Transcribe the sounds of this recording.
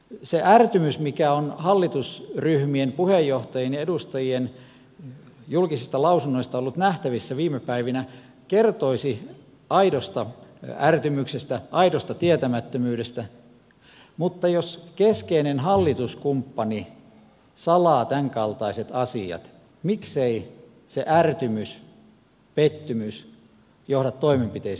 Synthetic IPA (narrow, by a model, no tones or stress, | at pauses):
seʔært̪ymysmikæonhɑlːit̪usryhmienpuhejːoht̪ɑjenjedust̪ɑjien | julkisist̪ɑlɑusunːoist̪ɑolːut̪næht̪æʋisːæʋiːmepæiʋinæ | kert̪oisi | ɑidost̪ɑært̪ymyksest̪æʔɑidost̪ɑt̪iæt̪æmæt̪ːømyːɾest̪æ | mut̪ːɑjoskeskeinenhɑlːit̪uskumpːɑni | sɑlɑːt̪æŋkɑlt̪ɑiset̪ɑsiɑ̰t̪ | miksei | seʔært̪ymys | pet̪ːymys | johdɑt̪t̪ːoimempit̪eis